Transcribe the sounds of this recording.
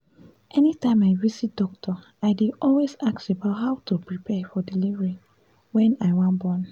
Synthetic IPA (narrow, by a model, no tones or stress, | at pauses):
ʔɛnitãɪ̃maɪvisit̚dɔk̚tʰɔ | aɪdidɔlwezak̚sebaʊtɦaʊtupɹipʰɛfɔdilivəɹi | wɛ̃naɪwãnbɔ̃n